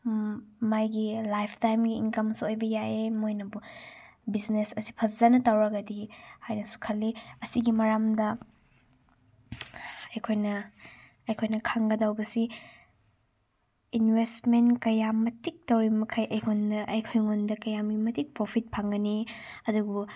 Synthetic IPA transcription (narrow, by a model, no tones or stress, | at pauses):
majɡilajpʰtajmɡiːnkɐmsuojbɐjaʔemojnɐbu | biznesɐsi̥pʰɐzzɐnɐtawɾɐɡɐdihajnɐsu̥kʰɐlːiɐsiɡimɐɾamdɐ | ɐjkʰojnɐ | ɐjkʰojnɐkʰaŋɡɐdawbɐsi | inwestmentkɐjamɐtik̚tɐwɾimɐkʰajʔɐjkondɐʔɐjkʰojŋondɐkɐjamɡimɐtik̚pɾopʰit̚pʰaŋɡɐniɐduɡu